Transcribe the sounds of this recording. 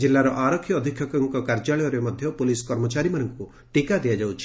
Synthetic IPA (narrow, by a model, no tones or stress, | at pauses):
d͡ʒilːaɾɔʔaɾɔkʰjɔːd̪ʱikʰjɔkɔŋkɔkaɾd͡ʒaɭɔjɔɾemɔd̪ʱjɔpuliskɔɾmɔt͡ʃaɾimanɔŋku | ʈikad̪ijad͡ʒawt͡ʃʰi̥